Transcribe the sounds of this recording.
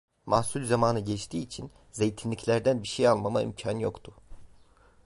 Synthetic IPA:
mahsulʲzamaːnɯɟɛt͡ʃt̪ʰiːt͡ʃʰin | ze̞jt̪ʰinlʲiclʲæɾd̪ænbiʃejalˠmamaḭmcʰanjo̞kt̪ʰʊ

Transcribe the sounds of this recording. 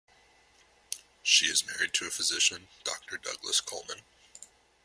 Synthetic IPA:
ʃiɨzmɛɹid̚tʰɨɨfɨzɪʃɨ̃nd̥ɔ̰k̚tʰə˞dʌ̰ɡlə̰skʰo̰lˠmə̃n

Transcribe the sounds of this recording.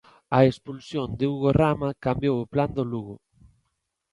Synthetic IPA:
ɐespulsjond̪ɪuɣoramɐkambjowʊpland̪oluɣʊ

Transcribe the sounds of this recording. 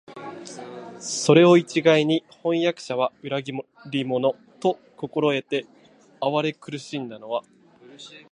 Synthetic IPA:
so̞ɾe̞o̞it͡ɕiɡaiɲ̟ihõ̞jakɯ̟̥ɕaβaɯ̟ɾaɡʲiɾʲimo̞no̞ | t̪o̞ | ko̞ko̞ɾo̞e̞t̪e̞ | aβaɾe̞kɯ̟ɾɯ̟ɕĩnd̪ano̞βa

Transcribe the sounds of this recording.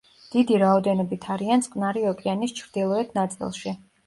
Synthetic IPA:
d̪̥id̪iɾaɔd̪ɛnɔbit̪ʰaɾiant̪sʼkʼvnaɾiɔkʼianist͡ʃʰɾd̪̥ilˠɔɛt̪ʰnat̪sʼḭlˠʃi

